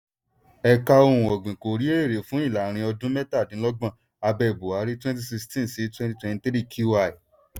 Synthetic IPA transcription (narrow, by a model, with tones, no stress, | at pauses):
ɛ˧ka˧o˧ɾũ˨ɔ˨ɡ͡bĩ˨ko˨ɾi˨˦e˦e˦˨ɾe˨fũ˦i˦˨la˨ɾ̃ĩ˧ɔ˧dũ˦mɛ˦ta˦˨nĩ˨˦lɔ˦ɡ͡bã˦˨ | a˧bɛ˧˨bo˨a˨˦ɾi˦twɛ̃˦nti˦si˧kstĩ˦˨si˨˦twɛ̃˦nti˧˦twɛ̃˧ti˧tɾi˦˨kʰu˦wa˦˨i˨